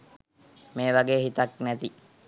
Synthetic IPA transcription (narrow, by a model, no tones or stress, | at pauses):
meːʋaɡeːɦit̪ɐknɛt̪i